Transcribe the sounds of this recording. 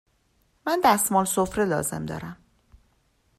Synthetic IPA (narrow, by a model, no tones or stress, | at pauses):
mænd̪æst̪mɒːlsofɾelɒːze̞̰md̪ɒ̰ːɾæm